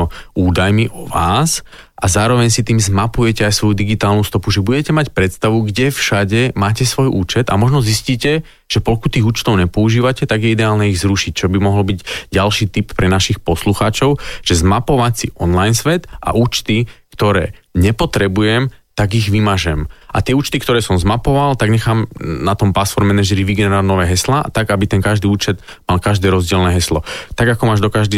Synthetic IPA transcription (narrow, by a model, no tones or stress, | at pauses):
ɔuːd̪ajmiʔɔʋaːs | ʔazaːɾɔʋɛɲsit̪iːmzmapujɛcɛajsʋɔjud̪iɡit̪aːlnust̪ɔpuʒɛbuɟɛcɛmacpɾɛt̪st̪aʋuɡɟɛfʃaɟɛmaːcɛsʋɔjʔuːt͡ʃɛd̪a̰mɔʒnɔzisciːcɛ | ʒ̥ɛpɔlkut̪ːiːɣuːt͡ʃt̪ɔʊɲɛpɔuʒiːʋacɛt̪aɡjɛid̪ɛaːlnɛiɣzɾuʃic̚t͡ʃɔbimɔɦlɔbiɟɟalʃiːt̪ippːɾɛnaʃixpɔsluxaːt͡ʃɔʊʒ̥ɛzmapɔʋat͡siʔɔnlajnsʋɛt̪ʔa̰ʔuːt͡ʃt̪ikt̪ɔɾɛːɲɛpɔt̪ɾɛbujɛmt̪aɡiɣʋimaʒɛmʔa̰t̪ɪɛuːt͡ʃt̪ikt̪ɔɾɛːsɔmzmapɔʋalt̪aɡɲɛxaːmnat̪ɔmpasfɔɾmːɛnɛʒɛɾiʋiɡɛnɛɾanɔʋɛːɦɛsla̰ːt̪aɡabit̪ɛŋkaʒd̪iːuːt͡ʃɛd̪ | malkaʒd̪ɛːɾɔzɟɪɛlnɛːɦɛslɔt̪aɡakɔmaːʒd̪ɔkaʒd̪i